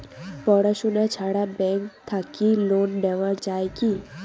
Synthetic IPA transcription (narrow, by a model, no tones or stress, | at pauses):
pɔɽaʃunat͡ʃʰaɽabɛŋkt̪ʰakilonɖ̪ɛʋaɾd͡ʒajki